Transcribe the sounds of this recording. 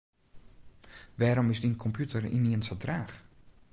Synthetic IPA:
ʋɛːɾɔmɪzdinkʰɔmpʰjutərḭniənsodraːx

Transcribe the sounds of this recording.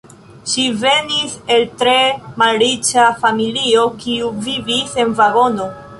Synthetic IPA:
ʃive̞nise̞ltɾe̞malɾit͡ʃafamilio̞kiuvivise̞nvaɡo̞no̞

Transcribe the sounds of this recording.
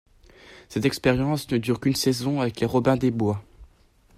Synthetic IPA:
sɛt̪ɛkspɛʁjɑ̃snəd̪yʁkʲynsɛzɔ̃avɛkleʁɔbɛ̃d̪ebwa

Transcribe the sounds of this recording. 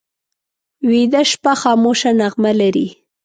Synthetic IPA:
wid̪aʃpaxɑːmoʃanaɣmalaɾi

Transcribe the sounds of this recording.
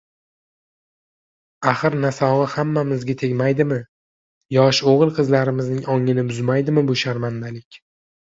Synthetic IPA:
aχɨɾnasɒʁɨhamːamɪzɡʲat̪ʰe̞ɡʲmajd̪ɪmɪ | jɒʃoʁɨlˠqʰɨzlaɾɪmɪznɪŋɒŋɪnɪbʊzmajd̪ɪmɪbʊʃaɾmand̪alɪkʲ

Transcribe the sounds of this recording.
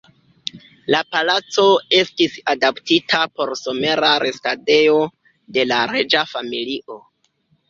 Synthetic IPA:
lapalat͡so̞e̞stisadaptitʰapo̞ɾso̞me̞ɾaɾestade̞jo̞ | de̞laɾe̞d͡ʒafamiliʔo̞

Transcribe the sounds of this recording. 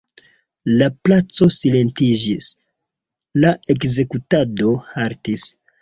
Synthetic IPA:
laplat͡so̞sile̞ntid͡ʒis | lae̞kze̞kutado̞haɾtis

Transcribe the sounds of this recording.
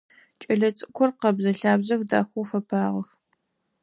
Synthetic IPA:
t͡ʃʼɐɮɐt͡sʼɨkʷʰɔrqɐbzɐɬaːbzɐxda̰ːxʷuːfɐpʰaːʁɐx

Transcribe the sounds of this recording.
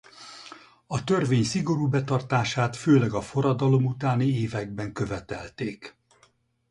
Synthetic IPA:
ɒt̪ø̞rveːɲsiɡo̞ɾuːbɛt̪ɒrt̪aːʃaːt̪føːlɛɡɒfo̞ɾɒd̪ɒlo̞mut̪aːnieːvɛɡ̚bɛŋkø̞vɛt̪ɛ̰lt̪eːk

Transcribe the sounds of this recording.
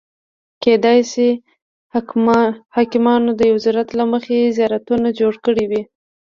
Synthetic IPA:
ked̪ɑjsi | hɑkɪmɑnod̪əjawzaɾat̪laməxezjɑɾat̪unad͡ʒoɽkəɽiwi

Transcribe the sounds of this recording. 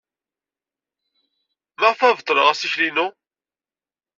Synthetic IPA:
məʁfævt̪ˤːlə̰ʁæsiçlinu

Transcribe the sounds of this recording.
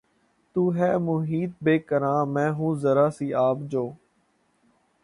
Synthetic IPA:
t̪uːɦɛːmʊɦiːt̪̚beːkəɾãːmɛ̃ːɦũːzəɾaːsiːaːpd͡ʒoː

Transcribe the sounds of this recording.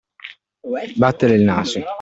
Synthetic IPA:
bat̪ːeɾelnaːso

